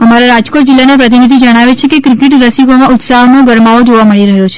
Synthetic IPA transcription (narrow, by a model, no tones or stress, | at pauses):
əmaɾaɾad͡ʒkoʈ̚d͡ʒilːanapɾət̪̬inid̪ʱid͡ʒəɽ̃aʋet͡ʃʰekekɾikɪʈɾəsiɡomãʊt̪saɦnoɡəɾmaʋod͡ʒoʋaməɭiɾəɦjot͡ʃʰe̥